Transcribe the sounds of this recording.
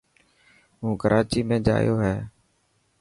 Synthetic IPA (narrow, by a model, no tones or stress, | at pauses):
ɦũːkəɾʔaːt͡ʃiːmẽːd͡ʒa̰ːjoːɦɛː